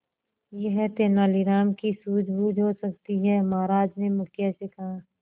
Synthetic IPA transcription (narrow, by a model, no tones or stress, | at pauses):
jeɦɛt̪eːnaːliɾaːmkisuːd͡ʒʱbuːd͡ʒʱɦosɐk̚t̪iɦɛmaːɾaːd͡ʒnemʊkjesekɐɦãː